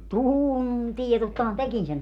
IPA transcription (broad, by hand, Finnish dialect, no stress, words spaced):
tuːuntie totːɑhɑn tekin sen